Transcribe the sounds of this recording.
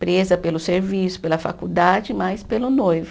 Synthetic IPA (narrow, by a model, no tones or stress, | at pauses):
pɾezɐpelʊseɾvisʊ̥pelɐfa̰kud̪ad͡ʒɪmajspelʊnojvʊ